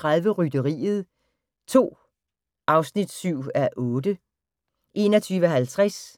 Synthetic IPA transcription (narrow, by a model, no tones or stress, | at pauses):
ʁaðˠʋəʁyd̥əʁḭːð̞̩ˠ | t͡sʰo̝̰ː | ʔɑ̈ʊsnid̥syʊ̰æʔɔ̽ːd̥ə | ʔe̝nɒt͡sʰyːʋəɦælt͡sʰʁas